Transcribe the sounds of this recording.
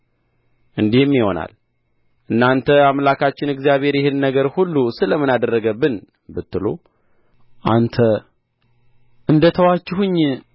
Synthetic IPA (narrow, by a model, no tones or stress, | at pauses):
ʔɨnd̪ihɨmːjɪho̞̰na̰l | ʔɨnːant̪ʰəamlakʰat͡ʃːɪnɨɡzijaβhe̞ɾjɛhɨnːəɡəɾhulːusɨləmɨnad̪ərːəɡəbːɨn | bɨt̪ːɨlo̰ | ʔant̪ʰə | ʔɨnd̪ət̪ʰəwat͡ʃːɪhɨɲː